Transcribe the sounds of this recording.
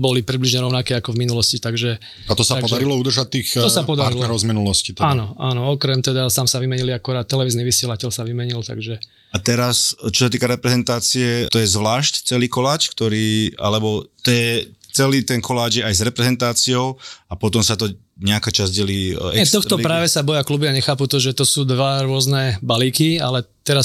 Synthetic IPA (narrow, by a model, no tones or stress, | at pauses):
bɔlipɾibliʒɲɛɾɔʊnakɛakɔvminulɔscit̪aɡʒɛ | at̪ɔsat̪apɔd̪aɾilɔud̪r̩ʒac̚t̪ːiːxɔsapɔd̪aɾaɾitlnɛɾɔʊzminulɔscit̪ɛanɔanɔɔkɾɛmt̪ɛd̪at̪amsaʋimɛɲiliakuɾaːt̪̚ːɛlɛʋiːzniʋisɪɛlacɛlsaʋimɛɲilt̪a̰ɡʒɛ | at̪ɛɾast͡ʃɔsat̪̬iːkaɾɛpɾɛzɛnt̪aːt͡siɛt̪ɔjɛzʋlaːʃct͡sɛliːkɔlaːt͡ʃkt̪ɔɾiːa̰lɛbɔt̪ɔjɛt͡sɛliːt̪ɛnkʰɔlaːd͡ʒjɛajzɾɛpɾɛzɛnt̪aːt͡siɔʊapɔt̪ɔmsat̪ɔ | ɲɛakaːt͡ʃazɟɛliːɛɛt̪ɔxɔpɾaːʋɛsabɔjaklubiaɲɛxaːput̪ɔʒɛt̪ɔsuːd̪ʋaɾʊɔznɛbaliːkia̰lɛt̪ɛɾas